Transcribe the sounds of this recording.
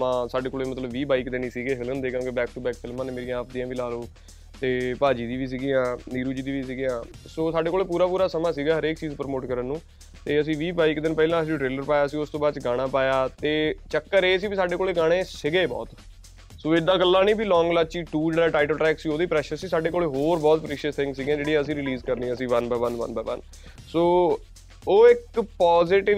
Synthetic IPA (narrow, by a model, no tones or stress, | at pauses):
mãːsaːɖeːkoːleːmət̪ləbʋiːbaːikd̪eːnĩːsiːɡeːɦɪlənd̪eːkʰãːkebɛːk̚ʈuːbɛːk̚fʰɪlmãːneːmeːɾijãːaːp̚d̪ĩãːʋiːlaːloː | t̪eːpaːd͡ʒiːd̪iːʋiːs̬iːɡiːãːniːɾuːd͡ʒiːd̪iːʋiːs̬iːɡiːãː | soːsaːɖeːkoːleːpuːɾaːpuːɾaːsəmãːsiːɡaːɦəɾeːkt͡ʃiːzpəɾmoːʈkəɾənːũː | t̪eːəsĩːʋiːbaːikd̪ɪnpɛːlãːəsĩʈɾeːləɾpaːjaːsiːʊst̪õːbaːt͡ʃɡaːɽ̃ãːpaːjaːt̪eːt͡ʃəkːəɾeːs̬iːbiːsaːɖeːkoːleːɡaːɽ̃eːsɪɡeːbɔ̰ːt̪ | soːɪd̪aːkəlːãːnĩːbiːlɔ̃ːŋɡlat͡ʃiːʈuːd͡ʒaːʈaːɪʈəlʈɾɛːksiːoːd̪iːpɾɛːʃəɾsiːsaːɖeːkoːleːɦoːɾbɔːt̪pɾeːʃiəst̪ʰɪ̃ŋɡsiːɡãːd͡ʒeːɽiːaːəsĩːɾɪliːzkəɾniːaːəsĩːʋənbaːʋənʋə̰nbaːʋə̰n | soː | oːɪkpɔːzɪʈɪ